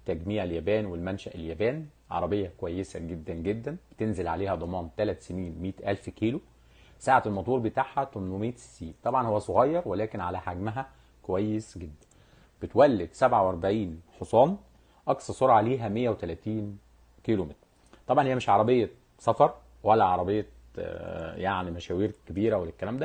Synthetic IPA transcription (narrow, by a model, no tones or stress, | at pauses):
t̪ːæɡmiːʕeljæbæːnwelmænʃæʔeljæbæːn | ʕɑ̰ɾˤɑbejːɑkowæjːesæɡed̪ːænɡed̪ːænb̥et̪enzelʕaleːhæd̪ˤɑmɑːnt̪ælæt̪seniːnmiːt̪ʔælfkiːlu | saːʕaelmɑt̪ˤuːɾbet̪aːʕhæt̪omnwemiːt̪sːiːnt̪ˤɑbʕɑnhowːæsˤoɣɑjːɑɾˤwelæːkenʕalæħaɡmæɦæ | kowæjːesɡed̪ːæn | b̥et̪wælːed̪sæbʕawʔɑɾˤbaʕiːnħosˤɑːn | ʔɑksˤɑɾsˤoɾˤʕaliːɦæmejːæwet̪ælæːt̪iːn | kilomet̪ɾ | t̪ˤɑbʕɑnhiːæmeʃʕɑɾˤɑbejːɑ | sɑfɑɾˤ | wælːæʕɑɾˤɑbejːɑ | jaʕnimæʃæːwiːɾkebiːɾæwelekːælæːmd̪æ